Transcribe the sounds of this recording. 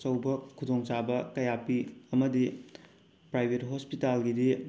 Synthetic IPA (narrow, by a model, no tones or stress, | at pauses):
t͡ʃɐwbɐkʰudoŋt͡ʃabɐkɐjapiɐmɐdi | pɾajbʱetɦospitalɡidi